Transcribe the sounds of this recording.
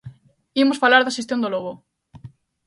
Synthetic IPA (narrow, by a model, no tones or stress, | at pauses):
imosfalaɾðaʃest̪jond̪oloɣo